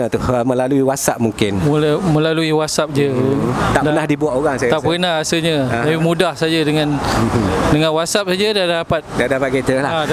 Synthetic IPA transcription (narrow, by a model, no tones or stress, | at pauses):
ət̪ʊhmə̃laluiwasaʔ̚muŋkɪnmulmə̃laluiwasap̚d͡ʒət̪aʔpdaənahdibuaʔoɣaŋsaj̪aʔpənaasəɲat̪apimũdahsad͡ʒadəŋãn | dəŋãnwasap̚sad͡ʒadadapat̪̚dadapat̪̚ket̪əlaha